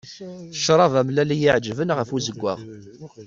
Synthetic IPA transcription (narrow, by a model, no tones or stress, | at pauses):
θə̥ʃɾˤɑvæmlælijiʕd͡ʒːvənʁəfuzəɡʷːæ̰ʁ